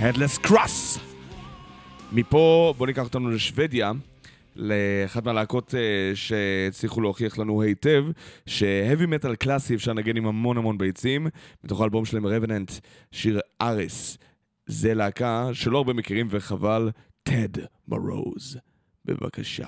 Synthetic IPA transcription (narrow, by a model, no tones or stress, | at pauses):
hedleskʁas | mipo̞bo̞nikaχot̪anuleʃve̞dja | leːχadmealaːko̞teʃet͡sliχuloːχiaχlanuhejte̞vʃe̞hevimetalklasiefʃaʁnaɡenimhamo̞nhamo̞nbejt͡simbito̞χaːlbo̞mʃelaemʁevenant | ʃiʁʔaʁis | zelaːkaʃelo̞aʁbemekiʁimveχaval | tʰed | ma̰ʁo̰wz | be̞̰va̰ka̰ʃa̰